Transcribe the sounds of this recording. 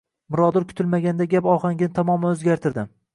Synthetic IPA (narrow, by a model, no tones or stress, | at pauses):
mʊɾɒd̪ʊɾkʲʰʊ̥t̪ʰɪlmaɡʲand̪aɡʲapɒχaŋɡʲɪnɪt̪ʰamɒmaɵzɡʲaɾt̪ʰɪɾd̪ɪm